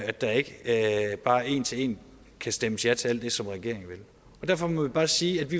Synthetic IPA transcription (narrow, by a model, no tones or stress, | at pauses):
æd̥ɑ̈ɐe̝ɡ̥əb̥ɑ̈ːe̝̰ːnt͡sʰee̝̰ːn | kʰæsd̥eməsjæt͡sʰe̝æl̰d̥ːe̝sɒ̽mʁɛɡ̥e̝ɐ̰e̝ŋ̩ʋel | ɒ̽d̥æɐfɒ̽mɔʋib̥ɑ̈ːsiːæd̥ʋi